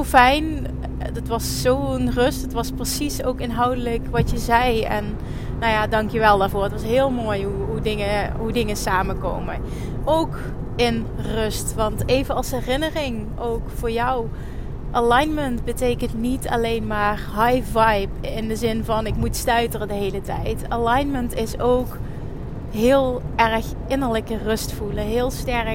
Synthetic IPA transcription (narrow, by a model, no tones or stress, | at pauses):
olˠfɛjn | dɑtʋɑsːownrɵstətʋɑsprəsisowkɪnɦɑwdələkʋɑtjəzɛjɛ̰nː | owjaːdɑŋkjəʋɛlˠdaːɹvʊːɹətʋɑsɦɪːlˠmoːjɦuɦudɪŋəɦudɪŋəsaːməko̰wmə | ʔowk | ɪn | rɵstʋɑntejvənɑlˠsɦɛrɪnərɪŋ | owkfʊːɹjɔw | ʔanɑjnməntbətejkəntnitɑ̰lejnmaːrɦɑjvɑjpɪndəzɪnvɑnɪkmutstœɥtərədəɦejlətɛ̰jtalɑjnməntɪsowk | ɦɪːlˠʔɛrx | ɪnəɹləkərɵstfuləɦɪːlˠstɛr